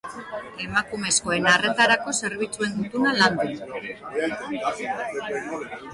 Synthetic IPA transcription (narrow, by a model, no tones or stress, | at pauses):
e̞makume̞sko̞e̞nare̞t̪aɾako̞se̞ɾβit͡sue̞nd̪ut̪unaland̪u